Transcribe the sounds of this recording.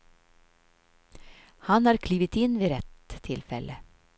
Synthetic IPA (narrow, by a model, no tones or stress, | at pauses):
hanhaɾkʰliːvət̪ɪnːviːɾɛt̪ʰːɪlfɛlʔə